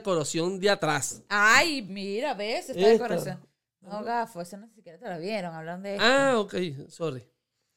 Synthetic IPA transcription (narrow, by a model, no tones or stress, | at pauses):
koɾosjond̪iat̪ɾasajmiɾaβesesakoɾosjon | oɣafesenossikjeɾat̪elaβjeɾoŋaβlaɾnd̪eaokejsoɾi